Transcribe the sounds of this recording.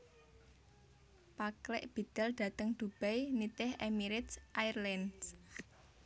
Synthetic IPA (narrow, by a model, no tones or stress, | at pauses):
paklɪ̰ʔb̥i̤t̪ɛld̪̥ä̤t̪əŋd̪̥ub̥ɛjnit̪ɪhʔɛmiɾɪt̪sʔajrlɛns